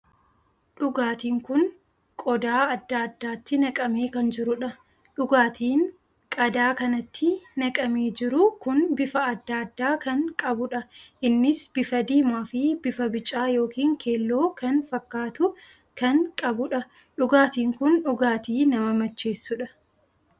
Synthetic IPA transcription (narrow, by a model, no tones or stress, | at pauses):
ᶑʊɡaːt̪iːŋkʊn | kʼɔd̪aːɐd̪ːaːɐd̪ːaːt̪ːɪnɐkʼɐmeːkɐnd͡ʒɪɾʊᶑɐ | ᶑʊɡaːt̪iːn | kʼɐd̪aːkɐnɐt̪ʰːɪnɐkʼɐmeːd͡ʒɪɾʊkʊnbɪfɐɐd̪ːaːd̪ːaːkɐŋkʼɐbʊᶑɐʔɪnːɪsb̥ɪfɐd̪iːmaːfɪb̥ɪfɐbɪt͡ʃʼːaːjo̞ːkiːŋkʰe̞ːlːoːkɐnfɐkːaːt̪ʊ | kɐŋkʼɐbʊᶑɐ | ᶑʊɡaːt̪iːŋkʊnᶑʊɡaːt̪iːnɐmɐmɐt͡ʃːe̞ːsːʊᶑɐ